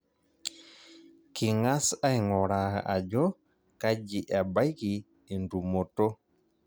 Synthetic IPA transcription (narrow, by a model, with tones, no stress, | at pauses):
ki˨ŋa˦sa˦jŋɔɾa˨ʔa˨d͡ʒɔ˦ | kad͡ʒi˨ʔa˨ba˦jki˨ | ɛ˨ndu˨mɔ˨tɔ˦